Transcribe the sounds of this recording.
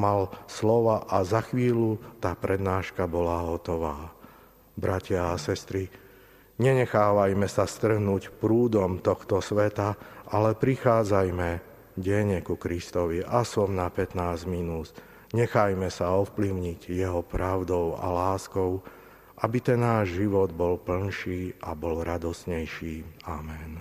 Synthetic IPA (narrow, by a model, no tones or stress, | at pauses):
malslɔʋaʔazaxʋiːlut̪aːpɾɛd̪naːʃkabɔlaːɦɔt̪ɔʋaː | bɾacɪaːsɛst̪ɾi | ɲɛɲɛxaːʋajmɛsast̪r̩ɦnuːcpɾuːd̪ɔmt̪ɔxt̪ɔsʋɛt̪aʔalɛpɾixaːd͡zajmɛ | ɟɛɲɛkukɾist̪ɔʋiʔasɔmnapɛt̪naːzminuːz | ɲɛxajmɛsaɔfpliʊɲiɟjɛɦɔpɾaʊd̪ɔʊa̰laːskɔʊ | ʔabit̪ɛnːaːʒʒiʋɔd̪bɔlpl̩nʃiːʔabɔlɾad̪ɔsɲɛjʃiːamɛn